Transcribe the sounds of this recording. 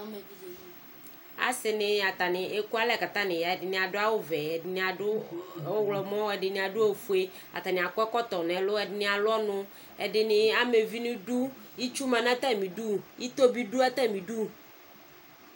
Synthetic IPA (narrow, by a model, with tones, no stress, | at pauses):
a̰˨sɪ˨nɪ˨a˨t̪a˨nɪ˨ʔe˦ku˦a˦lɛ˨ka˨t̪ã˦nɪ̃˨ja˨ɛ˨dɪ˨nɪ̃˨a˨dʊ˦a˦wo˦vɛ˨nɪ˨a˨ʊ˦˨wo˦wlɔ˨mɔ̃˦wɛ˨ɖɪ˨nɪ̃˨a˨ɖʊ˦o˦fu˦e˦ | a̰˨t̪a˨nɪ̃˨a˨kʊ˦ɛ˦kɔ˦t̪ɔ˨nɛ̃˨lʊ˦ɛ˨dɪ˨˦nɪ̃˦˨a˨lʊ˦ɔ˦nʊ̃˦ | ɛ˨ɖɪ˨nɪ̃˨a˦me˨vi˦nʊ̃˦du˦i˦t͡ʃu˦mã˨nã˦t̪ɛ˦˨mĩ˨du˦i˦t̪o˦bi˦ɖu˦ɛ˦t̪ɛ˦˨mĩ˨ɖu˦˨